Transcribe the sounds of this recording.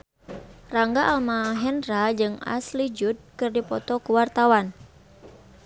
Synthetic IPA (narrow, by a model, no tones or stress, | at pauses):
raŋɡaʔalmaɦɛnrad͡ʒɨŋa̰slid͡ʒud̪̚kɨrdipɔt̪ɔkuwart̪awan